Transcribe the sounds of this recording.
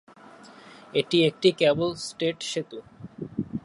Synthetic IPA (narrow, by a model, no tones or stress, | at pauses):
eʈiek̚ʈikɛbolsʈeʈʃet̪u